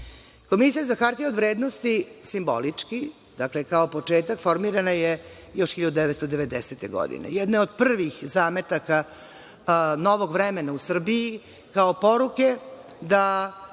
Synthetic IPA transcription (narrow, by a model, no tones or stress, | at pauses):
ko̞misijazaxaɾt̪ieod̪ʋɾeːd̪nost̪isimbo̰lit͡ʂki | d̪̥aklekaopo̞t͡ʂeːt̪akfo̞ɾmiɾanajejo̞ʃxiʎad̪ud̪ɛʋet̪t̪od̪eʋed̪eset̪eɡo̰d̪ḭnḛjɛd̪neo̞d̪pr̩ʋixzaːme̞t̪aka | no̞ʋo̞ɡʋɾɛmenausr̩biji | kaopo̞ɾuke | d̪a